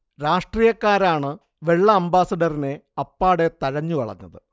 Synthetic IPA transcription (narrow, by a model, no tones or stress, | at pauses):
ɾaːʂʈriːjɐkːaːɾaːɳɨ | ʋe̞ɭːɐːmbaːsɐɖɐrine̞ɐpːaːɽe̞t̪ɐɻɐɲːuʋɐ̰ɭɐ̰ɲːɐ̰ðɨ